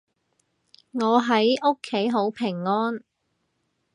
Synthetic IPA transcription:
ŋɔː˨˧ɦɐ˨˥jo˥kʰːe˨˥jɦo˨˥wpʰɪ˨˩ŋːɔː˥n

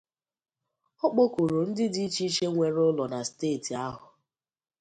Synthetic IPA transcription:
ɔ˦k͡po˦ku˨ɾo˨n̩˦dɪ˦di˦i˦t͡ʃi˦t͡ʃe˦ŋʷe˨ɾʊ˦lɔ˨na˨steː˦˨ti˨a˦ɦʊ˨

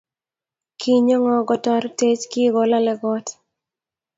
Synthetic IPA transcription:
kʰi˦ɲɔ˦ŋɔ˨ɡɔ˨tɔ˦ɾte˦t͡ʃki˦ɡɔ˨la˦lɛ˨ɡɔ˦t

